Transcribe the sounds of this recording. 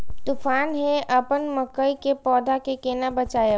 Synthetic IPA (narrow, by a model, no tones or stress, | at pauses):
t̪ufaːnɦẽʔɐpənmɐkːəikepɔːd̪ʱakekeːnabɐt͡ʃaːje